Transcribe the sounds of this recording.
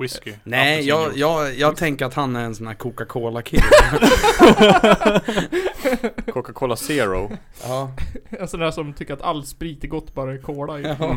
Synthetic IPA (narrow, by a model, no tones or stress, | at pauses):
wɪskɪnɛjɑːɡjɑːɡjɑːɡt̪ʰɛŋkəɾat̪hanːæɾɛnsɔnæːɾkʰʊkakʰoːlakʰɪlː | kʰukakʰoːlaseːɾʊ | ɑːɛnsɔnæːʂɔmt̪ʰʏkːəɾat̪alːspɾiːt̪əɡɔt̪ːbɑːɾaɛkʰoːla